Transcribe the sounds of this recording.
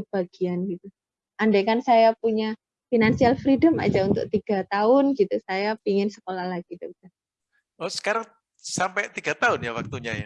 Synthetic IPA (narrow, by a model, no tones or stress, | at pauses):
b̥aɡ̥ianɡit̪u | ʔandakansajapuɲa | finansialfɾidəma̰d͡ʒaunt̪ʊ̰k̚t̪iɡ̥at̪aʊnɡit̪usajapiŋɪnsə̥kolahlaɡ̥id̪ɔk̚t̪a | ɔsə̥kaɾaŋ | sampɛt̪iɡat̪aʊnjawak̚t̪uɲa̰ja̰